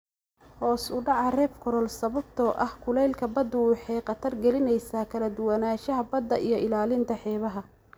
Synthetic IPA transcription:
hɔːsʊɖɑʕɑrɛːfkʰɔɾɔlsɐβɐbt̪ʰɔʔɐhkʰʊlɛjlkʰɐbɐd̪ʊwɑħɑjqɐt̪ʰɐrɡɛlɪnɛjsaːkʰɐlɐd̪ʊwɑnaːʃɐɦɐbɐd̪ːɐʔijɞɪlaːlɪnt̪ʰɐħɛːβɐɦɐ

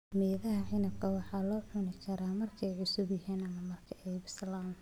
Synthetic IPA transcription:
mɛːðɐɦɐʕɪnɐb̚kʰɐwɑħɑːlɔːħʊnɪkʰɐɾaːmɐrkʰɐɛjʕʊsʊbjɐɦiːnɐmɐmɐrkʰɐʔɛjbɪsɐlaːm

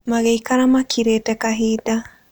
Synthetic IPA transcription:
maɣɛikaɾamakʰiɾetɛkaɦid̪a

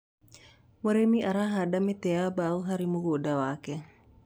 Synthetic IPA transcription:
woɾemiʔaɾaɦadamet̪ɛabauɦaɾimuɡodawakɛ

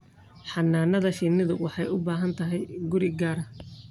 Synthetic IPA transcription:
ħɑnːaːnɐðɐʃinɪðʊwɑħɑjʊbaːɦɐnt̪ʰɐɦɛjɡʊɾɪɡaːɾɐ

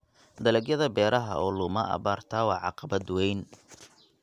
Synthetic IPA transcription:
d̪ɐlɛɡjɐðɐbɛːɾʔɐɦɐ̰ʔɔːlʊmɐʔɐ̰βaːrt̪ʰaːwɑːʕɑ̰qɑbɐd̪wɛjn

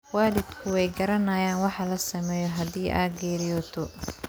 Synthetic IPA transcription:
waːlɪd̪kʰʊwɛjɡɐɾɐnɐjaːnwɑħɑlɐsɐmɛːjɔɦɐdiːʔa̰ːɡɛːɾɪjɔːt̪ʰɔ

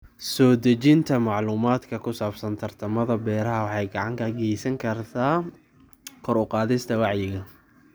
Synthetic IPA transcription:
sɔːd̪ɐt͡ʃɪnt̪ʰɐmɑʕluːmaːd̪kʰɐkʰʊsaːb̥sɐnt̪ʰɐrt̪ʰɐmɐðɐbɛːɾɐɦɐwɑħɑjɡɑʕɑŋk̪ʰɐɡɛjsɐŋkʰɐrt̪ʰaː | kʰɔɾʊqɑːðɪst̪ʰɐwɑʕjɪɣɐ

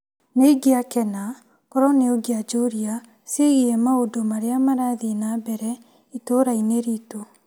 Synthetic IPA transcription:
neiɡeakɛna | kɔɾɔneoɡead͡ʒoɾia | seɣiɛmaodomaɾeamaɾaðinabɛɾɛ | itoɾaineɾito

